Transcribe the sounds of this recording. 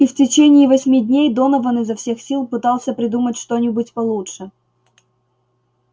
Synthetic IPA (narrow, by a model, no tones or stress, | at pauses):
ɪftʲɪt͡ɕenʲɪːvɐsʲmʲidʲnʲejd̪o̞nəvonɨzɐfsʲe̞xsʲilˠpɨt̪ɑlˠsʲəpɾʲɪd̪umətʲʂt̪o̞nʲɪbʊtʲpɐlˠuʂɨ